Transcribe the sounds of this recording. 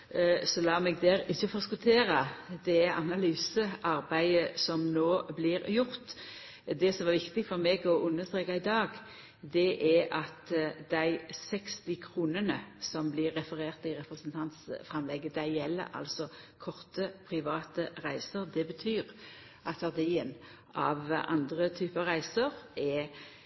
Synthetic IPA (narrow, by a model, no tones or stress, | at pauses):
sɔlɑːmɛɡ̚d̪æːɾɪçːəfɔskʉlt̪ʰeːɾɑd̪ɛʔɑnɑlyːsəʔɑɾbæɪəsɔmnoːblɪɾjʊʁt̪ | d̪ɛsɔmʋɑɾʋɪkt̪ɪfɔɾmɛɡɔʔʊnːəst̪ɾeːkɑɪd̪ɑːɡ | d̪ɛʔɛɑt̪d̪æɪsɛkst̪ɪkʰɾuːnənəsɔmblɪɾːɛfəɾeːʁt̪ɪʁɛpɾɛsənt̪ʰɑnt̪sfʁɑmlɛɡːəd̪æɪjɛlːə̰ʔɑ̰lsɔkʰɔʁt̪əpʰɾɪʋɑːt̪əʁæɪsəɾd̪ɛbət̪ʰyːʁ | ʔɑt̪ɑʁd̪iːən | ɑ̰ʋʔɑ̰nd̪ʁət̪ʰyːpɑʁæɪsəɾɛ